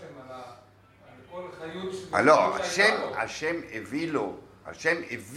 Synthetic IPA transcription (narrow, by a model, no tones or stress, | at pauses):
aloa̰ʃema̰ʃemeviloha̰ʃemev